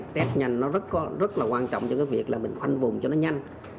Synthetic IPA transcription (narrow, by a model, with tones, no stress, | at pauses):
t̪ɛ˦˥t̚ɲa˧jŋnɔ˨˦zə˦˥t̚kɔ˨˦zə˦˥t̚laː˨˩kwaː˧nt͡ɕɔ̰˧˨wŋ͡mt͡ɕɔ˧kaː˨˦vi˨˩əklaː˨˩mï˨˩ŋ̟xwa˧jŋvʊ˨˩ŋ͡mt͡ɕɔ˧nɔ˨˦ɲa˧jŋ̟